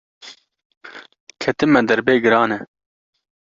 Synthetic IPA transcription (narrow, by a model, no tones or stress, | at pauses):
kʰɛt̪ɨmɛd̪ɐɾbeːɡɨɾɑːnɛ